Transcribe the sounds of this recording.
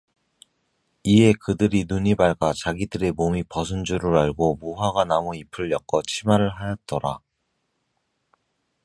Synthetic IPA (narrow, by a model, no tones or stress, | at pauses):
iɦe̞kɯdɯɾinuɲibaɭɡat͡ɕaɡidɯɾe̞momipʌsʰund͡ʑuɾɯɾaɭɡomuɦaɡanamoipʰɯɭjʌk̚k͈ʌt͡ɕʰimaɾɯɭɦajʌt̚t͈ʌɾa̰